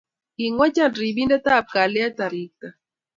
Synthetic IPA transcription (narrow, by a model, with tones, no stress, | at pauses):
i˨ŋwa˦t͡ʃa˦˨ndri˨bi˦nda˦ta˦˨p̚ka˨lɛ˦a˦t̪a˨ɾi˦k̚ta˨